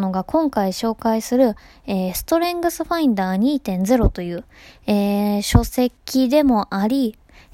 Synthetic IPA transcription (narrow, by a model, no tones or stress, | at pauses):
no̞ɡakʰõ̞ŋkaiɕo̞ːkaisɨɾɯ̟ | eːsɨ̥t̪o̞ɾẽ̞ŋɡɯ̟sɨɸaĩnd̪aːɲ̟iːt̪ẽ̞nd͡ze̞ɾo̞t̪o̞jɯ̟ːeːɕo̞se̞kʲːid̪e̞mo̞ʔaɾʲi